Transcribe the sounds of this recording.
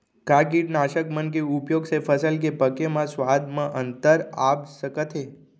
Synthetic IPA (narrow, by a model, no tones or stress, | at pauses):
kaɡiɖnaʃəkmənk̬eupjoɡsefəsəlk̬epəkemãsʋad̪mãʔənt̪əɾapsəkət̪ʰe